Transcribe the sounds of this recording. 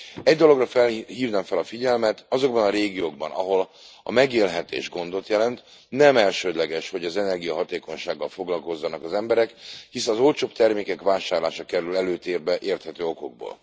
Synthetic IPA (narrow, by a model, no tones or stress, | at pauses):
ɛɟd̪olo̞ɡrɒfɛlɦiːvnamfɛlɒfiɟɛlmɛt̪ɒzo̞ɡbɒnɒɾeːɡijoːɡ̚bɒ̰nɒɦo̞l | ɒ̰mɛɡeːlɦɛt̪ḛːʒɡo̞nd̪o̞t̪jɛlɛnt̪ | nɛmɛlʃøːd̪lɛɡɛʃho̞ɟɒzɛnɛrɡijɒɦɒt̪eːko̞ɲʃaːɡːɒlfo̞ɡlɒlko̞zːɒnɒkɒzɛmbɛɾɛkhisɛːzo̞lt͡ʃoːpt̪ɛrmeːkɛkʋaːʃaːrlaːʃɒkɛɾylɛløːt̪eːrbɛʔeːrt̪hɛt̪øːo̞ko̞ɡ̚bo̰ːl